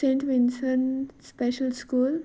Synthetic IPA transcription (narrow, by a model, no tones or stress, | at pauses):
sẽːɳʈʋinsə̃nspeʃəlskuːl